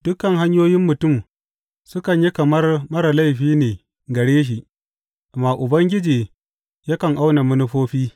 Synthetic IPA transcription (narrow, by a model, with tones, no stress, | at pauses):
d̥ʊ˦kɐ˨ŋɦa˦ɲjoː˦jɪ˦mːʊ˨tʊ˦˨m | sʊ˦kɐ˨ɲji˦kɐ˨mɐ˦rmɐ˦ɾa˨la˦jɸiː˦neː˨ | ɡɐ˨ɽeː˦ʃ̬i˨ʔ | maː˨ʔʊ˨bɐ˦ŋɡʲɪ˦d͡ʒiː˨ | jɐ˦kɐ˨ŋʔa˦wna˨mʊ˦nʊ˦ɸoː˦ɸiː˦